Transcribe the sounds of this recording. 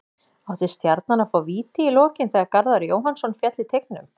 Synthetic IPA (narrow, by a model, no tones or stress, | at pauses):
awt̪ɪst̪jaɾt̪̚nanafaːwviːt̪ɪilɔːcɪnθɛːɣaɾkaɾðaɾjoːwɦansɔnfjɛt̪lɪt̪ʰejk̚nʏ̰m